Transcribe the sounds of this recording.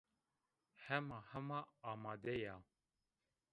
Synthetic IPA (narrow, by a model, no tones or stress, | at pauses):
hɛmɑːhɛmɑːmɑːd̪ɛjɑ